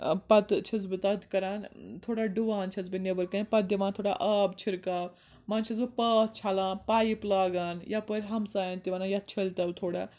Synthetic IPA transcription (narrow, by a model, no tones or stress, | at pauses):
pɐt̪t͡ʃʰɐzbɨt̪ɐd̪kɐɾaːnt̪ʰoːɽaːɖuʋaːnt͡ʃʰɐzbɨnɐbɐɾkɐnpɐd̪jɐʋaːnt̪ʰoːɽa̰ʔɐbt͡ʃʰiɾkaːb | mãːnt͡ʃʰizbɨpɐːt̪t͡ʃʰaːlãːnpaːjiplaːɡaːnjapəɾʲɦɐmsaːjaːnt̪iʋaːnajɐt̪̚t͡ʃʰɐlt̪ɐbt̪ʰoːɽa̰ː